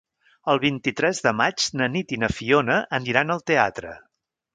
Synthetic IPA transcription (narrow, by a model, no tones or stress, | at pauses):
əlˠβ̞int̪it̪ɾɛzðəmad͡ʒnənit̪inəfionəʔəniɾanəlˠt̪eat̪ɾə̰